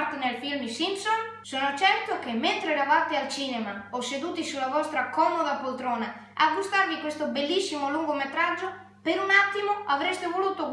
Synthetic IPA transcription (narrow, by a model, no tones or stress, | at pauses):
ɾt̪enealfilmisimpsonsoːnot͡ʃɛrt̪okemːent̪ɾeɛɾavat̪ealt͡ʃiːnemaosed̪uːt̪isulavɔst̪ɾakɔmod̪apolt̪ɾɔːna | aɡːust̪aɾvikwest̪obelːisːimoluŋɡomet̪ɾad͡ʒːo | peɾunat̪ːimoavɾest̪evoluːt̪oɡ